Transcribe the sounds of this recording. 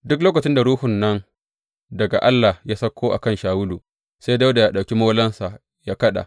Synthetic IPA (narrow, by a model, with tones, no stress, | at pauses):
dʊ˦k̬loː˦kɐ˨t͡ʃɪ˦nda˨ɾuː˦hʊ˨nːɐ˦n | dɐ˨ɡa˨ʔa˦lːa˨hja˦sɐ˦kʷːoː˦ʔa̰˨kɐ˦nʃaː˨wʊ˦lu˨ | se˦jda˦wda˨ja˦ɗa˨wkʲi˦moː˦lɐ˦nsa˨ | jaː˦kɐ˦ɗa̰˨